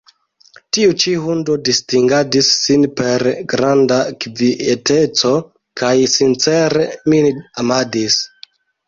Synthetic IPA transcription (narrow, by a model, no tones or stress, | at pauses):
tiut͡ʃiɦundo̞distiŋɡadisːinpe̞ɾɡɾandakviete̞t͡so̞ | kʰajsint͡se̞ɾeminamadis